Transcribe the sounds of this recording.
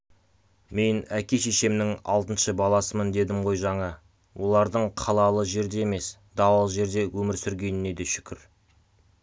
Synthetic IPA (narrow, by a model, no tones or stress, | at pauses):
me̞nækʲe̞ʃe̞ʃe̞mnɪŋɑ̰lˠt̪ənʃəbɑlˠɑsəmənd̪e̞d̪ɪmʁo̞jʒɑɴɑ | wʔo̞lˠɑɾd̪əɴqʰɑlˠɑlˠəʒe̞ɾd̪e̞eme̞s | d̪̥ɑwɑlˠəʒe̞ɾd̪e̞wʔɵmɪɾsʏɾɡʲe̞nɪne̞d̪e̞ʃʏ̥kʲɪɾ